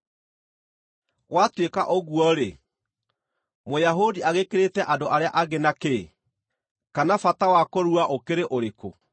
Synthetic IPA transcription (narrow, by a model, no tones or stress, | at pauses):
ɣwatwekaʔoɣuɔɾe | mojaɦodiaɣekeɾetɛʔadoʔaɾeaʔaɣenake | kanafatawakoɾuaʔokeɾeʔoɾeko̰